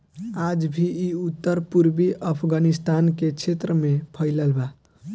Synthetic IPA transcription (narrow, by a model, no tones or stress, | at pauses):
ad͡ʒbʱiiut̪ːəɾpuɾbiʔəpʰɡanist̪anket͡ʃʰet̪ɾəmepʰəɪləlba